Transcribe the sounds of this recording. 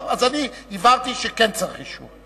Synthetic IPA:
vazaniivaʁt̪iʃekɛnt͡saχiʃṵ

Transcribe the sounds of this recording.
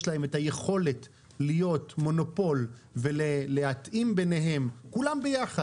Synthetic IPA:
ʃlahe̞metaje̞χo̞le̞t | lijo̞tmo̞no̞po̞lveleleatʔimbe̞ne̞ɦe̞mkulambejaχa

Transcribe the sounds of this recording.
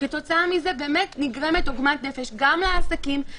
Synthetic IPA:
eto̞t͡saamize̞beːmetniɡʁe̞me̞toɡmatne̞feʃɡamleasakim

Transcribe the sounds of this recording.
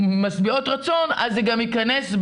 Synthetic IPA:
masbio̞tʁat͡so̞na̰zeɡamikanes

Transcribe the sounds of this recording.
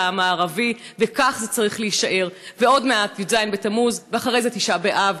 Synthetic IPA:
amaːʁavi | vekaχzet͡saʁiχleiiʃaʔe̞ʁve̞o̞dme̞at̪jozajnbe̞t̪amuzveaχaʁe̞jzet̪iʃabeʔav

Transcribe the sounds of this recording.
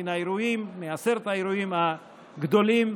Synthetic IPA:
inaeɾujimːeaseɾet̪aeɾujimha | ɡd̪o̞lim

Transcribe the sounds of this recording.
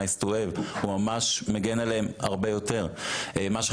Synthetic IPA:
istoevhumamaʃmeɡenaleemha̰ʁbe̞jo̞te̞ʁemaʃ

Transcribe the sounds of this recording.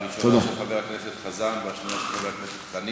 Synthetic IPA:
miʃt̪od̪aʃeχabeʁakneset̪χazanveaʃonaʃeχabeʁakneset̪lani

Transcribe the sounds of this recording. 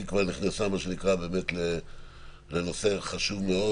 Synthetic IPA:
ikvaʁniχnasamaʃenikʁabe̞ːme̞tle | le̞nose̞χaʃuvme̞o̞

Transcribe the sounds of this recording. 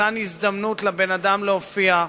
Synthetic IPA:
anizd̪amnutlabenad̪amleofia

